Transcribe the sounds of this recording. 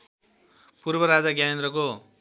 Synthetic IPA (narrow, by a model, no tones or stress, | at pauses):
purbʌɾad͡zaɡjanend̪rʌko